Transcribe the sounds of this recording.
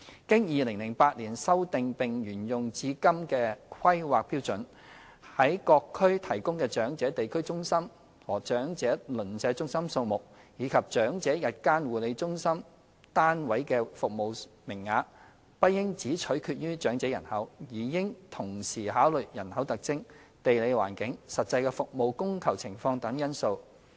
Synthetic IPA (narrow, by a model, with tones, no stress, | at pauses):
kɪ˥ŋjiː˨˧lɪ˨˩ŋlɪ˨˩ŋpaː˧t̚liː˨˩nsɐ˥wt̪ɪ˨ŋpɪ˨ŋjyː˨˩njʊ˨ŋt͡siː˧kɐ˥mkɛː˧kʰɐ˥jwaː˨k̚piː˥wt͡sɵ˨˥n | hɐ˨˥jkɔː˧kʰːɵ˥ɥt̪ʰɐ˨˩jkʊ˥ŋkɛː˧t͡ʃœː˨˥ŋt͡sɛː˨˥t̪e˨jkʰɵ˥ɥt͡sʊ˥ŋsɐ˥m | wɔː˨˩t͡ʃœː˨˥ŋt͡sɛː˨˥lɵ˨˩nsɛː˨˧˥t͡sʊ˥ŋsɐ˥mso˧wmʊ˨k̚ | jiː˨˧kʰɐ˨p̚t͡ʃœː˨˥ŋt͡sɛː˨˥jɐ˨t̚kaː˥nwuː˨le˨˧jt͡sʊ˥ŋsɐ˥m | t̪aː˥nwɐ˨˥jkɛː˧fʊ˨k̚mo˨˧wmɪ˨˩ŋːaː˨˧k̚ | pɐ˥t̚jɪ˥ŋt͡siː˨˥t͡ʃʰɵ˨˥kʰyː˧t̚ɥyː˥t͡ʃœː˨˥ŋt͡sɛː˨˥jɐ̰˨˩nhɐ˨˥wjiː˨˩kɪ˥ŋt̪ʰʊ˨˩ŋsiː˨˩ɦaː˨˥wlɵ˨ɥjɐ˨˩nhɐ˨˥wt̪ɐ˨k̚t͡sɪ˥ŋ | t̪e˨jle˨˧jwa̰ː˨˩nkɪ˨˥ŋsɐ˨t̚t͡sɐ˧jkɛː˧fʊ˨k̚mo˨˧wkʊ˥ŋkʰɐ˨˩wt͡sʰɪ˨˩ŋfɔː˧ŋt̪ɐ˨˥ŋjɐ˥nso˧w